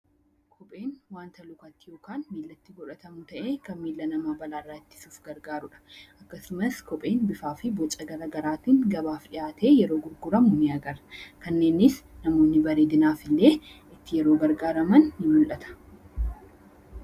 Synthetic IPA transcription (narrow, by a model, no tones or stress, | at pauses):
kʰɔpʼe̞ːnwaːnt̪ɐlʊkɐt̪ːɪjo̞ːkaːnmiːlːɐt̪ːiɡɔᶑɐt̪ɐmʊt̪ɐʔe̞ːkɐnmiːlːɐnɐmaːbɐlaːrːaːɪt͡ʃ̪ːɪ̥suːfɡɐɾɡaːɾʊᶑɐ̥ʔɐkːɐsʊmɐskɔpʼe̞ːnbɪfaːfɪbɔt͡ʃʼɐɡɐɾɐɡɐɾaːt̪iːŋɡɐbaːfᶑɪjaːt̪eːjɛɾo̞ːɡʊɾɡʊɾɐmʊnɪɐɡɐɾkɐnːe̞ːnːɪsnɐmo̞ːnːɪbɐɾeːd̪ɪnaːfɪlːe̞ː | ɪt̪ːɪjɛɾo̞ːɡɐɾɡaːɾɐmɐnːɪmʊlʔɐt̪ʰɐ̥